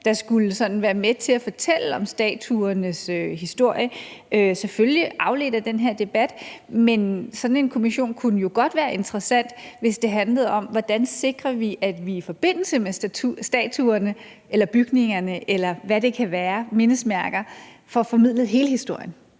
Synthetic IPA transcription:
d̥ɑ̈sɡ̥uləsɒ̽n̥n̩ʋæːɐmet͡sʰe̝læfɒ̽t͡sʰel̰əɒ̽msd̥ɛ̰ːt͡sʰuɐnəsøɦisd̥o̝ɐ̰jəʔøseføljiʔɑ̈ʊle̝̰ːdɐd̥enɦeɐ̰d̥e̝b̥æd̥mensɒ̽d̥n̩e̝nkʰo̝miɕo̝̰ːnkʰunəjo̝ɡ̥ɒ̽d̥ʋæːɐʔe̝nd̥ʁɐsæn̰d̥ʋe̝sd̥e̝ɦænləð̞̩ˠɒ̽mʋɒd̥ænse̝ɡ̥ʁɐʋiʔæd̥ʋiːfɒ̽b̥e̝n̰l̩səmest͡sʰusd̥ɛ̰ːt͡sʰuɐnə | elɐb̥yɡ̥ne̝ŋɐnəʔelɐʋæɾe̝kʰæʋæːɐme̝nəsmæɐɡ̥ɐ | fɒ̽fɒ̽mið̞̰ˠlð̩ˠɦe̝ːləhisd̥o̝ɐ̰jən

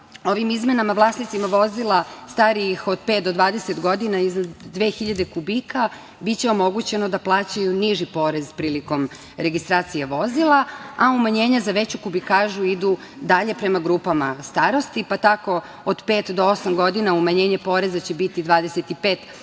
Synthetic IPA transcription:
o̞ʋimizme̞namaʋlˠaːsnit̪simaʋo̞zilˠast̪aɾiixo̞d̪pet̪̚d̪o̞d̪ʋaːd̪e̞set̪ɡo̞d̪inaiznad̪ːʋeːxiʎad̪e̞kubika | bit̪t͡ɕeo̞mo̞ɡut͡ɕe̞nod̪aplˠaːt͡ɕajuniʒipo̞ɾe̞zpɾiːliko̞m | ɾe̞ɡist̪ɾaːt̪sijeʋo̞zilˠaaumaɲe̞ːɲazaʋet͡ɕukubikaːʒuid̪u | d̪aʎe̞pɾe̞maɡɾuːpama̰st̪aɾo̞st̪ipat̪ako̞ | od̪peːt̪d̪oo̞samɡo̞d̪inaumaɲe̞ːɲepo̞ɾe̞zat͡ɕebit̪id̪ʋaːd̪eset̪ipeːt̪

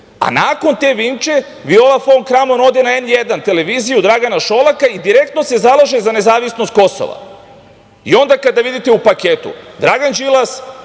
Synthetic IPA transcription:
a̰naːko̞nt̪e̞ʋimt͡ʃe̞ | ʋio̞lafonkɾamo̞no̞d̪enaenjed̪ant̪e̞le̞ʋiːzijud̪ɾaɡanaʃo̞lˠakaid̪iɾe̞k̚t̪nose̞zalˠaʒezane̞zaːʋisno̞st̪̚ko̞so̰ʋa̰ | ḭo̞nd̪akad̪aʋid̪it̪e̞upakeːt̪ṵd̪ɾaɡand͡ʒilˠas

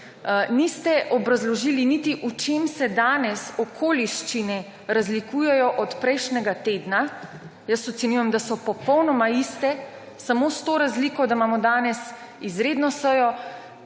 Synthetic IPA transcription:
nist̪ɛʔɔbɾazlɔʒiːlinit̪iʔut͡ʃeːmsɛd̪aːnɛsɔkʰoːliʃt͡ʃinɛ | ɾazlikujɛjɔʔɔt̪pɾɛjʃnʲɛɡat̪eːd̪na | jəsɔt̪sɛnjujɛmd̪asɔpɔpɔwnɔmaist̪ɛ | samost̪oːɾazliːkɔd̪amaːmɔd̪aːnɛs | izɾed̪nɔsəjɔ

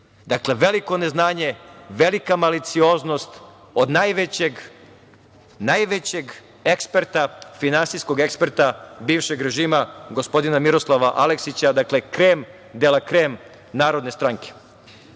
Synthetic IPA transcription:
d̪akle̞ʋe̞liko̞ne̞znaːɲe̞ʋe̞likamalit̪sio̞ːzno̞st̪ | od̪najʋet͡ɕeɡ | najʋet͡ɕe̞ɡ | e̞kspe̞ɾt̪afinansisko̞ɡe̞kspe̞ɾt̪abiːʋʃe̞ɡɾe̞ʒiːmaɡospo̞d̪inamiɾoslˠaʋaʔaleksit͡ɕad̪akle̞kɾeːm | d̪elakɾeːm | naːɾo̞d̪ne̞st̪ɾaŋke̥

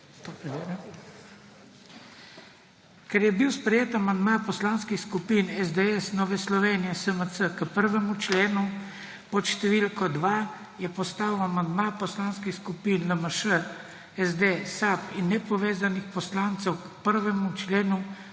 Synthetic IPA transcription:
t̪opɾɛʋeɾɛ | kɛɾjɛbiwspɾɛjeːt̪amand̪mapɔslaːnskixskupiːnɛzd̪eɛsnɔːʋɛslɔʋeːnijɛsəməsəkəpəɾʋɛmut͡ʃleːnu | pɔt̪ʃt̪ɛʋilkɔd̪ʋa | jɛpɔst̪aːwamand̪mapɔslaːnskixskupinləməʃə | ɛzd̪esapinːɛpɔʋeːzanixpɔslaːnt̪sɛwkpəɾʋɛmut͡ʃleːnu

